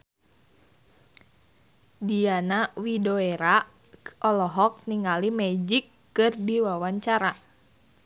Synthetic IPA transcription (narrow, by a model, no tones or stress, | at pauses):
dianawidoeɾa | ʔɔlɔɦɔk̚niŋalimɛd͡ʒikːɨrdiwawaɲt͡ʃaɾa